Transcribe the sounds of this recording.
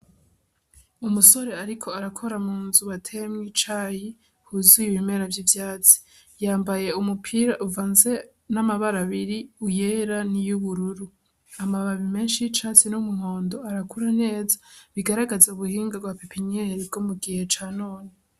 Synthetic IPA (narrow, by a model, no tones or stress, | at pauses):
umuso̞ɾe̞aɾikʰo̞aɾakʰo̞ɾamuːnzuβatʰe̞mŋit͡ʃaːhi | huzujiβime̞ɾavjiːvjaːt͡si̥ | jaːmbaje̞umupʰiːɾaʔuvanze̞ | namaβaɾaβiɾiuje̞ɾanijuβuɾuɾu | amaβaβime̞ːnʃit͡ʃat͡sinumuŋo̞ːndo̞aɾakuɾane̞ːzḁβiɡaɾaɡazauβuhiːŋɡaɡwapepʰiɲeɾibɡomuɡihe̞t͡ʃaːnoːne